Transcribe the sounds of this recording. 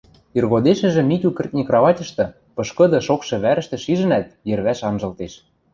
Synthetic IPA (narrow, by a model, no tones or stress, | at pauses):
irɣod̪eʃɘ̆ʒɘ̆mikʲykə̆rt̪̚ʲnʲikrɑβɑtʲɤ̆ʃt̪ɤ̆ | pɤ̆ʃkɤ̆d̪ɤ̆ʃokʃɤ̆βæɾə̆ʃt̪ɘ̆ʃiʒɘ̆næt̪̚jɘ̆rβæʃɑnʒɤ̆lt̪eʃ